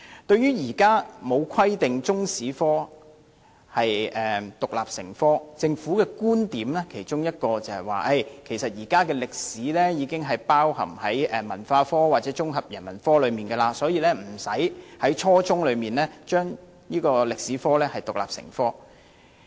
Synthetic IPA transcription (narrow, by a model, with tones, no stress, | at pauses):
t̪ɵ˧ɥyː˥jiː˨˩kaː˥mo˨˧wkʰɐ˥jt̪ɪ˨ŋt͡sʊ˥ŋsiː˨˥fɔː˥ | hɐ˨jʔɛː˨t̪ʊ˨k̚laː˨p̚sɪ̰˨˩ŋfɔː˥t͡sɪ˧ŋfuː˨˥kɛː˧kuː˥nt̪iː˨˥mlɛː˥kʰe˨˩jt͡ʃʊ˥ŋjɐ˥t̚kɔː˧t͡sɐ˨whɐ˨˩wa̰ː˨˩ʔɐ˧˩jkʰe˨˩jsɐ˨t̚jiː˨˩kaː˥kɛː˧lɪ˨k̚siː˨˥lɛː˥jiː˨˧kɪ˥ŋɦɐ˨jpaː˥whɐ̰˨˩mhɐ˨˥jʔɛː˨˩mɐ˨˩nfaː˧fɔː˥waː˨t̚t͡sɛː˨˥t͡sʊ˥ŋɦɐ˨p̚jɐ˨˩nmɐ˨˩nfɔː˥lɵ˨˧ɥmiː˨˩nɡɛː˧laː˧sɔː˨˥jiː˧lɛː˥m̩˨˩sɐ˨˥jhɐ˨˥jt͡ʃʰɔː˥t͡sʊ˥ŋlɵ˨˧miː˨˩nlɛː˥t͡ʃœː˥ŋ | niː˥kɔː˧lɪ˨k̚siː˨˥fɔː˥lɛː˥hɐ˨jt̪ʊ˨k̚la̰ː˨p̚sɪ̰˨˩ŋfɔː˥